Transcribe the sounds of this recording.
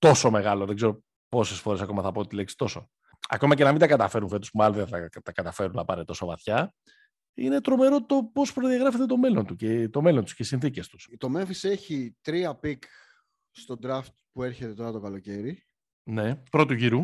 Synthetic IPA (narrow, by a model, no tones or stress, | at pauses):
t̪o̞so̞me̞ɣɐlo̞ðe̞ɡze̞ɾo | po̞sesfo̞ɾesɐko̞mɐθɐpot̪t̪ileksi̥t̪o̞so | ɐ̰ko̞mɐce̞nɐmind̪ɐkɐt̪ɐfe̞ɾunfe̞t̪u̥spumɐlðeθɐt̪ɐkɐt̪ɐfe̞ɾunɐpɐɾet̪o̞sovɐθçɐ | ine̞t̪ɾo̞me̞ɾo̞t̪o̞po̞spɾoðiɐɣɾɐfe̞t̪e̞t̪o̞me̞lo̞nt̪ucet̪o̞me̞lo̞nt̪u̥scesinθice̞st̪u̥st̪o̞me̞ɱfise̞çit̪ɾiɐpik | st̪o̞d̪ɾɐft̪̚pue̞ɾçe̞t̪et̪o̞ɾɐt̪okɐlo̞ce̞ɾi | nepɾo̞t̪uʝiɾu